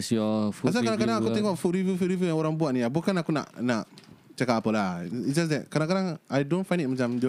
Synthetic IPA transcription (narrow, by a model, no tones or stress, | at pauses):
sɔfuas̬akadãkadãŋakut̪ĩŋkafuɾivjufuɾivjujãuɾaŋbuaʔnijabokanakuna̰ʔnaʔt͡ʃakapəlaid͡ʒas̬dɛkadãŋkadãŋajdõnfãɪ̃ndit̚mat͡ʃamdo